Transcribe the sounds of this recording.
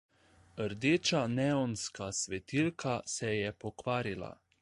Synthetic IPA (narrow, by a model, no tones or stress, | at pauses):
əɾd̪eːt͡ʃanɛɔnskasʋɛt̪ilkʰasɛjɛpɔkʋaːɾila̰